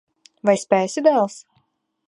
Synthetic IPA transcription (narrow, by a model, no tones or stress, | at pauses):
vajsʲpʲæːsʲɪd̪ælˠs